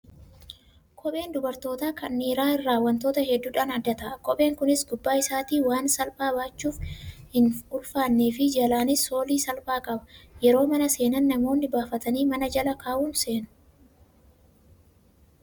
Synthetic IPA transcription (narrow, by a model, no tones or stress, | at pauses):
kʰɔpʼe̞ːnd̪ʊbɐɾt̪o̞ːt̪aːkɐnːiːɾaːɪrːaːwːɐnt̪o̞ːt̪ɐɦɛd̪ːuːᶑaːnɐd̪ːɐt̪ɐʔɐkɔpʼe̞ːŋkʊnɪsɡʊbːaːɪsaːt̪iːwaːnsɐlpaːbaːt͡ʃːuːfhɪnʊlfaːnːeːfɪd͡ʒɐlaːnɪso̞ːliːsɐlpaːkʼɐbɐ̥jɛɾo̞ːmɐnɐse̞ːnɐnːɐmo̞ːnːɪbaːfɐt̪ɐniːmɐnɐd͡ʒɐlɐkaːʔuːnse̞ːnʊ̥